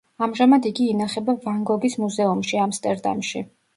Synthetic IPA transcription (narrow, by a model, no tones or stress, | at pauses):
amʒamad̪iɡiːnaχɛbavaŋɡɔɡismuzɛumʃiamst̪ʼɛɾd̪a̰mʃḭ